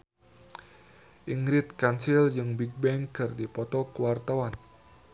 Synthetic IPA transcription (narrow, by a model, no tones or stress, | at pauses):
ʔiŋɾɪt̪̚kansild͡ʒɨŋbik̚bɛŋkɨrdipɔt̪ɔkəwart̪awan